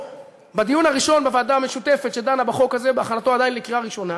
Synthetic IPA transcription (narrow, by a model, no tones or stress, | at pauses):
bad̪ijunhaʁiʃo̞nbevaːd̪ame̞ʃut̪e̞fet̪ʃed̪anabaχo̞kazebeaχanat̪o̞ad̪ajinlekiʁaʁiʃo̞na